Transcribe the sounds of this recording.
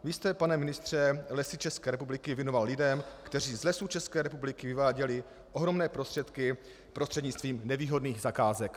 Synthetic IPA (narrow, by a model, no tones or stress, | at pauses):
vist̪ɛpanɛmɪnɪst̪r̝̥ɛlɛsɪt͡ʃɛskɛːɾɛpublɪkɪvjɛnovallɪdɛmkt̪ɛriːzlɛsut͡ʃɛskɛːɾɛpublɪkɪvɪvaːɟɛlɪ | ʔoɦɾo̞mnɛːpɾost̪r̥ɛt̪kɪ | pɾost̪r̥ɛdɲɪt͡st̪viːmnɛviːɦo̞dniːɣzakaːzɛk